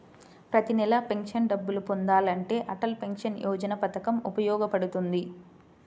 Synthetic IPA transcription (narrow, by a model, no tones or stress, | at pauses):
pɾɐt̪inɛlɐpe̞ŋkʂɐnɖɐbːulupond̪aːlɐɳʈe̞ːʔɐʈɐlpe̞ŋkʂɐnjʔɔːd͡ʒɐnɐpɐt̪ɐkɐmupɐjɔːɡɐpɐɽut̪und̪i